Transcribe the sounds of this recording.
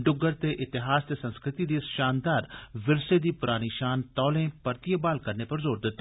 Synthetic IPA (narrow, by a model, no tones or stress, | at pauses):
ɖʊɡəɾt̪eːʔɪt̪ɪɦaːst̪eːsə̃nskɾɪt̪iːd̪iːsʃaːnd̪aːɾʋɪlsed̪iːpʊɾaːñiːʃaːnt̪ɔːlẽːpɐɾt̪ijəbaːlkɐɾneːpɐɾzoːɾd̪ɪt̪ːa